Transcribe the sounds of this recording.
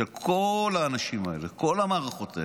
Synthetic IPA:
elkʰolaːnaʃimaḛleko̞lamaːʁaχo̞t̪ae

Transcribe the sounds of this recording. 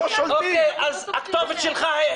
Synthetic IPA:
ʃokeːʔaza̰kt̪ɔvətʃɪlˠχa

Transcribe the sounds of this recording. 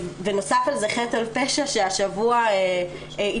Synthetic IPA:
veno̞safalzeχetalpeʃaʃeaʃavuae | i

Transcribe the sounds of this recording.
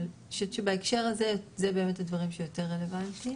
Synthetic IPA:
l | ʃevʃebaekʃeʁazezebe̞me̞thadvaʁimʃejo̞te̞ʁːele̞vanti

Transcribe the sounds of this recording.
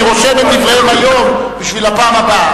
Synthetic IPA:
iʁoʃemet̪d̪ivʁehemajombiʃvilapaːmaba

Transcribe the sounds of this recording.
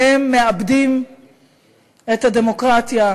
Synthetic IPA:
emːe̞abd̪im | et̪had̪e̞mo̞kʁat̪ja

